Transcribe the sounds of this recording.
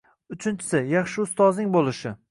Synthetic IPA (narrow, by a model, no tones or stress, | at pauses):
ʊt͡ʃʰɪnt͡ʃʰɪ̥sɪjɑχʃɪʊst̪ɒznɪŋbolˠɪʃɪ